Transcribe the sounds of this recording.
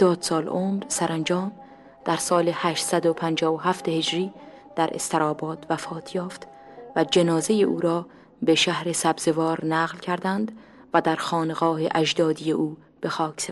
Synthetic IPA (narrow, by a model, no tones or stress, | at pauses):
d̪̥ɒːd̪̥sɒːlʔomɾsæɾʔænd͡ʒɒːm | d̪̥æɾsɒːlehæːʃt̪sæd̪opʰænd͡ʒɒːvoɦæft̪ehe̞d͡ʒɾiː | d̪̥æɾʔḛst̪ʰeɾɒːbɒːd̪væfɒːt̪ʰjɒːft̪ | væd͡ʒe̞nɒːzejeʔṵːɾɒː | beʃæhɾe̞sæbz̥evɒːɾnæːɣlcʰæɾd̪ænd̪væd̪æɾxɒːneɣɒːhḛʔæʒd̪ɒːd̪ijeʔuː | b̥e̞xɒːkʰse